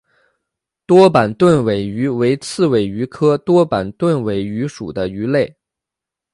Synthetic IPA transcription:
t̪wɔ˥pa˨˩nt̪wə˥˩nwe˨˩ɪy˧˥we˧˥ɪt͡sʰɹ̩˥˩we˨˩ɪy˧˥kʰɤ˥t̪wɔ˥pa˨˩nt̪wə˥˩nwe˨˩ɪy˧˥ʂṵ˨˩d̪ə˦y˧˥le˥˩ɪ

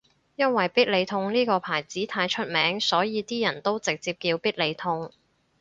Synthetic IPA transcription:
jɐ˥nwɐ˨jpiː˥t̚le˨˧jt̪ʰʊ˧ŋniː˥kɔː˧pʰaː˨˩jt͡siː˨˥t̪ʰaː˧jt͡ʃʰɵ˥t̚mɛː˨˥ŋsɔː˨˥jiː˨˧t̪iː˥jɐ˨˩nt̪o˥wt͡sɪ˨k̚t͡siː˧p̚kiː˧wpiː˥t̚le˨˧jt̪ʰʊ˧ŋ

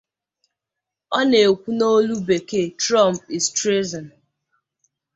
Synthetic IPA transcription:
ɔ˦ne˨kʷu˦no˦lu˦be˨ke˦tɾɔ˦˨m˨pɪ˨stɾe˦zɔ˨n

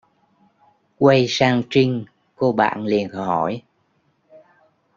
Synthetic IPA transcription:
kwə˧jsaː˧ŋt͡ɕï˧ŋ̟ | ko˧ɓa̰ː˧˨nli˨˩ənhɔ˧˩j

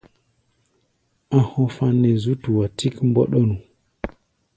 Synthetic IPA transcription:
ã˦ho˦fa˦nːe˨zu˦tu˨wa˨tʰi˦kmbɔ̰˦ɗo˦nu˨

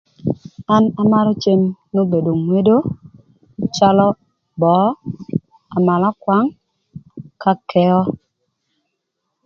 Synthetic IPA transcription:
a˦na˨ma˦ɾɔ˦t͡ʃe˦mno˦be˨do˨ŋwe˦do˦ | t͡ʃa˦lɔ˦ | bɔ˨˦ | a˨ma˨la˦kwa˦ŋ | ka˦kʰɛ˦ɔ˦

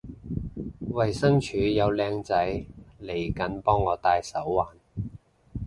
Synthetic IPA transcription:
wɐ˨˩jsɐ˥ŋt͡ʃʰyː˨˧˥jɐ˨˧wlɛː˧ŋt͡sɐ˨˥jle˨˩jkɐ˨˥npɔː˥ŋːɔː˨˧t̪aː˧jsɐ˨˥wːaː˨˧n

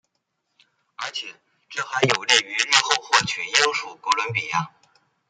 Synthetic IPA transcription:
ə˞˧˥t͡ɕʰjɛ˨˩˦ | ʈ͡ʂɤ˥˩xa˧˥ɪjo˨˩ʊli˥˩y˧˥li˥˧xo˥˧ʊxwɔ˥˩t͡ɕʰɛ˨˩nji˥ŋʂu˥˩ko˧˥lwə˧˥npi˨˩ja˥˩

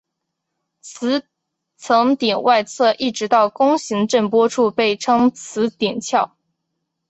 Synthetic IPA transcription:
t͡sʰɹ̩˧˥ | t͡sʰɤ˧˥ŋt̪ɛ˨˩nwʔa˥˧ɪt͡sʰɤ˥˧ʔi˥˩ʈ͡ʂɻ̩˧˥t̪ɑ˥˩ʊkʊ˥ŋɕi˧˥ŋʈ͡ʂə˥˩npwɔ˥ʈ͡ʂʰu˥˧pe˥˩ɪʈ͡ʂʰɤ˥ŋt͡sʰɹ̩˧˥t̪jɛ˨˩nt͡ɕʰjɑ˥˩ʊ

